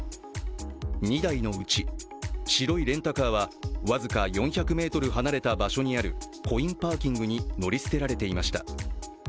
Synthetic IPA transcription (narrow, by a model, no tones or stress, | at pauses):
ɲ̟id̪aino̞ɯ̟t͡ɕi | ɕiɾo̞iɾẽ̞nt̪akaːβaβazɨkajõ̞ɰ̃çakɯ̟me̞ːt̪o̞ɾɯ̟ɦanaɾe̞t̪abaɕo̞ɲ̟iaɾɯ̟̰ | kʰo̞ĩmpaːkʲĩŋɡɯ̟ɲ̟ino̞ɾʲisɨ̥t̪e̞ɾaɾe̞t̪e̞imaɕi̥t̪a̰